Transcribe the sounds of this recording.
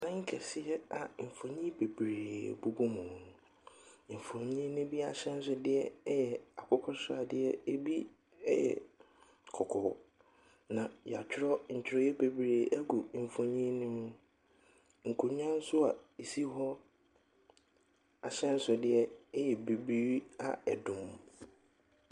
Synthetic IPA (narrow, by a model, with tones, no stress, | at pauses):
dã˦ŋ̩˦kʰɛ˨sɪ˦ɛ˦a˨m̩˨fõ˨ɲĩ˦be˨bɾeː˨bu˨bu˦mʊ̃˨ | m̩˨fõ˨ɲĩ˦nʊ̃˦bi˦a˨ɕɛ̃˦n̩˦sʊ˦dɪ˦ɛ˦jɛ˨a˨kʰʊ˦kʰɔ˦sʊ˦a˨dɪ˦ɛ˦e˦bi˦ | ɛ˦jɛ̰˨ | kʰɔ˨kʰɔ˨ | nã˨ja˨t͡ɕʰᶣɪ˦ɾɔ˦ɲ̩˨t͡ɕʰᶣɪ˨ɾɔ˦jɛ˦be˨bɾeː˨ʔæ˦ɡu˨fõ˨ɲĩ˦nɪ̃˦mʊ̃˦ | ŋ̩˨kʰu˨ɲ˦ã˦n̩˦sʊ˦a̰˨e˨si˦ɦɔ˦ | a˨ɕɛ̃˦n̩˦sʊ˨dɪ˦ɛ˦jɛ˨be˨bi˦a̰˨ɛ˨dʊ̃˨m˨